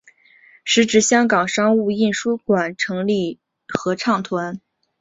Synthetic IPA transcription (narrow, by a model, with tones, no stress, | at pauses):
ʂɻ̩˧˥ʈ͡ʂɻ̩˧˥ɕjɑ˥ŋkɑ˨˩ŋʂɑ˥ŋu˥˧i˥˩nʂu˥kwa˨˩nʈ͡ʂʰɤ˧˥ŋli˥˩ | xɤ˧˥ʈ͡ʂʰɑ˥˩ŋt̪ʰwa˧˥n